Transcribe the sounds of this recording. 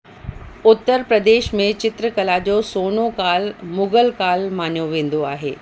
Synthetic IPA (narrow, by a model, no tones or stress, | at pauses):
ʊt̪ːəɾpɾəd̪eːʃmẽt͡ɕɪt̪ɾəkɐlad͡ʑoːsoːnokaːlmʊɡəlkaːlmaːn̤joʋẽːn̆d̪oaːɦḛː